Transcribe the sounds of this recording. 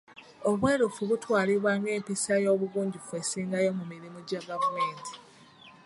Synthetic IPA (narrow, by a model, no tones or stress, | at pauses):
o̞βwe̞ːɾufuβutwaːliβwaːŋɡe̞ːmpisajo̞ːβuβuːɲɟifue̞siːŋɡajo̞mumiɾimuɟaɡavumeːnti̥